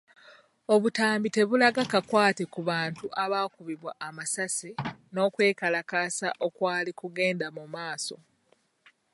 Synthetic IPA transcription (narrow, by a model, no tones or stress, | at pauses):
o̞βutaːmbite̞βulaɡakakwaːte̞kuβaːntuʔaβaːkuβiβwaʔːmasasino̞ːkwe̞ːkalakaːsaʔo̞kwaːlikuɡe̞ːndamumaːso̞̰